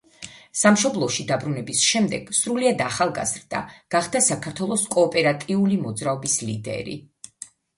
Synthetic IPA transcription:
samʃɔblˠɔʃid̪abɾunɛbisʃɛmd̪ɛɡ̥sɾuliad̪aχalˠɡa̰zɾd̪̥a̰ɡ̥aχd̪asakʰaɾt̪ʰwɛlˠɔskʼɔːpʼɛɾat̪ʼiulimɔd̪zɾaɔbislḭd̪ɛ̰ɾḭ

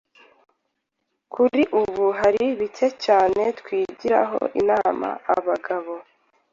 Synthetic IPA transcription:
kʰuɾiʔuβuɦaɾiβitʰe̞caːne̞tkwiːɟiɾa̰ɦo̞̰ʔinama̰a̰βaɡaβo̞

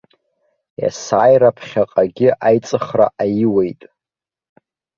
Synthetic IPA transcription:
ja̰saːjrapʰχʲaqʼaɡʲɪʔajt͡sʼɨχra̰ʔajiwe̞jtʼ

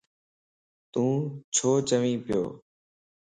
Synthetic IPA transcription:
t̪ũːt͡ʃʰoːt͡ʃəʋĩːpɪjo̰ː

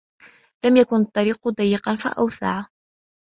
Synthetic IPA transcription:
lamjakʊnɑt̪ˤːɑɾiːqd̪ˤɑjːɪqɑnfa̰ʔa̰wsa̰ʕ

